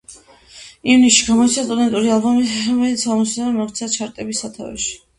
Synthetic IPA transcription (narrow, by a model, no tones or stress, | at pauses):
ivnisʃiɡamɔit̪sʰast̪ʼɔd̪ɛnt̪ʼuɾialˠbɔmiɾɔmɛlit̪samɔsɛbɛmɔχt̪sʰat͡ʃʰaɾt̪ʼɛbisat̪ʰa̰vɛ̰ʃi̥